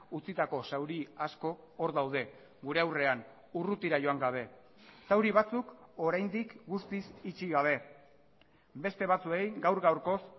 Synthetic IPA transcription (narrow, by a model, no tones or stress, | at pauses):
ut͡sit̪ako̞sawɾiasko̞ː | ɾðawð̞e̞ | ɡuɾe̞awre̞aŋ | urut̪iɾaʝo̞aŋɡaβ̞e̞ | sawɾiβ̞at͡suko̞ɾajnd̪ikɡust̪isit͡ʃiɣaβ̞e̞ | be̞st̪e̞βat͡sue̞jɡawɾɣawɾko̞s